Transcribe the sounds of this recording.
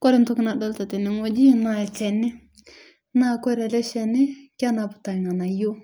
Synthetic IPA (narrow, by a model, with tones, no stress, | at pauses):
kɔ˦ɾɛ˨˦nt̪u˦kna˨dɔ˦˨lt̪a˨t̪ɛ˨ni˨ŋɔ˦d͡ʒi˦na˧ɛ˨t͡ʃɛ˨ni˦ | na˦˨kɔ˦ɾɛ˨lɛ˦ʃɛ˧nɪ˦kʲa˦na˨˧˨pu̥˨t̪a˨ŋa˨na˨jo˦